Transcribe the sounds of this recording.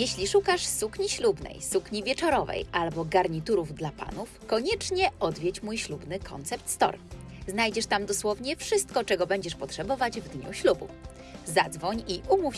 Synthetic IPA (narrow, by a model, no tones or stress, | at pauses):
jɛɕlʲiʂukaʂsukɲiɕlubnɛ̰jsukɲivʲjɛt͡ʂɔɾɔvɛ̰jʔalbɔɡaɾɲit̪uɾuvd̪lapa̰nufkɔɲɛt͡ʂɲɛɔd̪vʲjɛt͡ɕmujɕlubnɘkʰɔ̰nt̪sɛp̚t̪st̪ɔ̰ɾznajd͡ʑɛʂt̪amd̪ɔswɔvɲɛfʂɘst̪kɔt͡ʂɛɡɔbɛɲd͡ʑɛʂpɔtʂɛbɔvad͡ʑvd̪ɲṵɕlubṵ | zad̪zvɔɲiʔumuf